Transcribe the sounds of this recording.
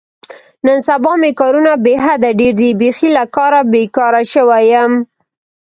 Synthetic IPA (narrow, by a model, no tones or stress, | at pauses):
nənsabɑmekɑɾunabeɦad̪aɖeɾd̪ibexilakɑɾabekɑɾaʃəwajəm